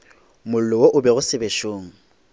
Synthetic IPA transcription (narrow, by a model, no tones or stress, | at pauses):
mʊl̩lɔwoʔʊbɛɣʊsɪbeʃoːŋ̩